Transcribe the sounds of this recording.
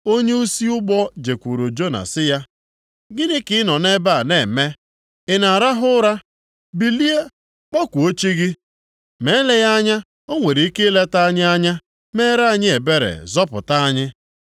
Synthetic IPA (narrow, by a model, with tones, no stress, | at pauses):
o˦ɲe˦u˦si˦ʊ˦ɡ͡bɔ˦d͡ʒe˨kʷu˨ɾo˨d͡ʒo˦na̰˨sɪ˦ja˦ | ɡɪ˦dɪ˦kɪ˦ɪ˦nɔ˨ne˦ba˦a˨ne˦˨me˦ | ɪ˨na˨ɾa˦ɦʊ˦ɾa˦ | bi˨li˦e˦ | k͡pɔ˦kʷu˨o˦t͡ʃi˦ɡɪ˦ | me˨˦le˦ja˦ɲa˦ | o˦ŋʷe˨ɾi˨˦i˦ke˦le˦ta˦a˦ɲɪ˦a˦ɲa˦ | me˦ɾa˦a˦˨ɲɪ˦e˨be˦ɾḛ˨zɔ˦pʊ̰˨ta˦a˦ɲɪ˦